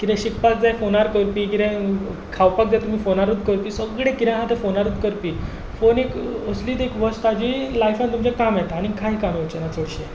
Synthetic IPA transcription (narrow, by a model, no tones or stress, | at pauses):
kiɾɛ̃ɕik̚pat͡sd͡zajfonaɾkəɾpiːkit̪ɛ̃ | kʰawpak̚d͡z̪at̪um̤iːfonaɾud̪kəɾpiːsəɡɽẽkiɾẽɦãt̪efonaɾuːd̪kəɾpiː | fonekəsliːt̪ekʋəst̪ad͡ʑiːlajfant̪umt͡ɕɛkamjɛt̪aːɽ̃ikʰaɦikamʋət͡ɕenat͡soɽɕie